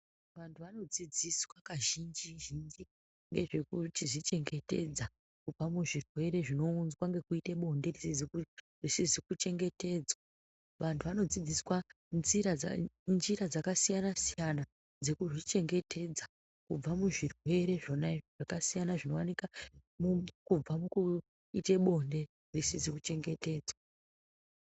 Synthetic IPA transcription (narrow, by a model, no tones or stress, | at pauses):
ʋantʰuʋano̞d͡zid͡ziswakaʒind͡ʒiʒind͡ʒi | ŋɡe̞ʐe̞kutiʐit͡ʃe̞ŋɡe̞te̞d͡za | kub͡vamuʐirwe̞ɾe̞ʐino̞unzwaŋɡe̞kuiteɓo̞nde̞risizi | risizikut͡ʃe̞ŋɡe̞te̞d͡zwa | ʋantʰuʋano̞d͡zid͡ziswa | nziɾanziɾad͡zakasijanasijana | d͡ze̞kuʐit͡ʃe̞ŋɡe̞te̞d͡za | kub͡vamuʐirwe̞ɾe̞ʐonaiʐʐ̥akasijanaʐino̞wanikamukub͡vamuku | ite̞ɓo̞nde̞ | risizikut͡ʃe̞ŋɡe̞te̞ːd͡zwa